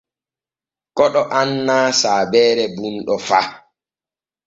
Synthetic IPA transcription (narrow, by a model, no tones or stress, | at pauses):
kɔɗɔʔanːaːsaːbɛːɾɛbunɗɔfa